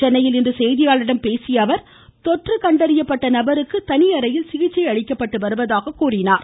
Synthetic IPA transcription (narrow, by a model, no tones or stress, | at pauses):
ɛnːɐjɪlɪndrɯsɛjðɪjaːɭɪɽɐmpeːsɪjɐʋɐɾ | t̪ɔʈrɯkɐɳɖɐɾɪjɐpːɐʈːɐnɐbɐɾɯkːɯt̪ɐnɪjɐɾɐjɪlsɪɣɪt͡ʃːɐɪɐɻɪkːɐpːɐʈːɯʋɐɾɯʋɐðaːɣɐkːuːrɪnaːɾ